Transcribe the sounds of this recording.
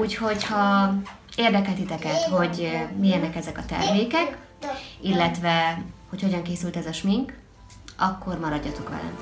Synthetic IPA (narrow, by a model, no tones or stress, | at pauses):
uːcho̞chɒ | eːrd̪ɛkɛlt̪it̪ɛkɛt̪ho̞ɟmijɛnɛkɛzɛkɒt̪ɛ̰rmeːkɛk | ilːɛt̪ʋɛho̞cho̞ɟɒŋkeːsylt̪ɛzɒʃmiŋk | ɒkːo̞rmɒɾɒɟːɒt̪o̞kʋɛ̰lɛ̰m